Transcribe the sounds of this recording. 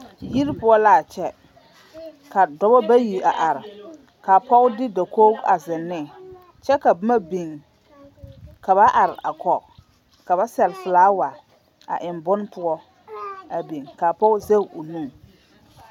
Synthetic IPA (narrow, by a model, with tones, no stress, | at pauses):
ji˦ɾpʊ˦ɔ˦la˨t͡ʃɛ˦ | ka˨dɔ˦bɔ˦ba˦ji˨a˨ʔa˨ɾɪ˨ | ka˨pɔ˦dɪ˦da˨koː˦a˨zɪ˨nːɪ˦˨ | t͡ʃɛ˦ka˨bʊ˦ma˦bi˨ŋ | ka˨βa˦ʔa˨ɾɪ˨ʔa̰˨kɔ˨ | ka˨βa˦sɛ˨lfɨ˨laː˦wa˨ | a̰˨ʔɪ˨mbʊ˦n˦pʊ˦ɔ˦ | a˨bi˨ŋka˨pɔ˦ze˦ʊ˨nũ˦˨